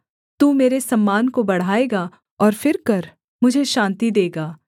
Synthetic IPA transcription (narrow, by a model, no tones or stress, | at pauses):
t̪uːmeːɾesɐmːaːnkobɐɽ̤aːeːɡa | ɔːɾfɪɾkɐɾ | mʊd͡ʒʱeʃãːnt̪id̪eːɡaː